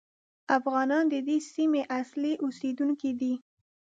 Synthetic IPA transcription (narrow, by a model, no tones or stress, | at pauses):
afɣɑnɑnd̪əd̪esimeʔasliʔosed̪uŋkid̪i